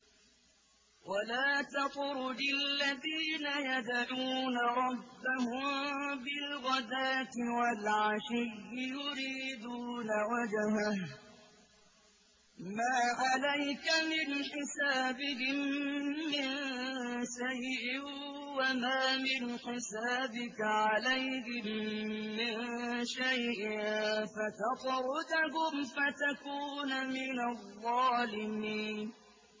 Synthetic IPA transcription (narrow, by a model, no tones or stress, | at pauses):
wʔalaːt̪aqʊɾʊdɪlːaðiːnajad̪aʕuːnaɾˤɑbbːahʊmbɪlɣɑd̪aːt̪ɪwalʕaʃɪjːɪjʊɾiːd̪uːnawad͡ʒaɦa | maːʕalajkamɪnħɪsaːbɪɦɪmː | ɪn | ʃajʔɪ | wamaːmɪnħɪsaːbɪkaʕalajɦɪmː | ɪnʃajʔɪnfat̪ɑt̪ˤɾʊd̪aɦʊmfat̪akuːnamɪnaðˤːɑːlɪmiːn